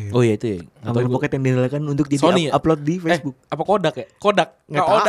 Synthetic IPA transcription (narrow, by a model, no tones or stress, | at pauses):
ojait̪ujaamanapakɛt̪ɛŋdɛnalakanunt̪ʊk̚d͡ʒasioniaplot̪̚difesbʊk̚apakodakɛkodak̚ŋaao